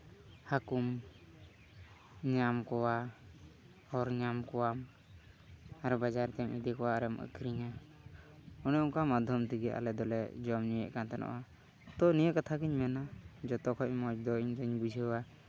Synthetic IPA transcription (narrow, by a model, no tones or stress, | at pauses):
hakum | ɲamkɔwa | ɔɾɲamkɔwam | aɾbad͡ʒaɾt̪ɛmid̪ikɔwaɾɛmə̰kɾiɲa | ɔnɔɔŋkamad̪ʱjɔmt̪iɡɛʔa̰lɛd̪ɔlɛ̰d͡ʒɔmɲijɛ̰ʔkant̪anʔɔ̰ʔa | t̪ɔnijəʔkat̪ʰakiɲmɛnad͡ʒɔt̪ɔkʰɔʔ̚mɔd͡ʒd̪ɔiɲd͡ʒɔɲbud͡ʒʱəwa